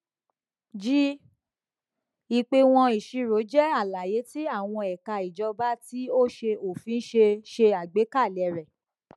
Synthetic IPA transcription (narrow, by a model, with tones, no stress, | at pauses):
d͡ʒi˦ | i˨k͡pe˧w̃ɔ̃˧i˨ʃi˧ɾo˨˦d͡ʒɛ˦a˦˨la˨je˨˦ti˦a˦˨w̃ɔ̃˧ɛ˨ka˧i˨d͡ʒɔ˧ba˦ti˦o˦ʃe˧o˨fĩ˨˧˦n̩˦ʃe˧ʃe˧a˨ɡ͡be˨˦ka˦˨lɛ˨ɾɛ˨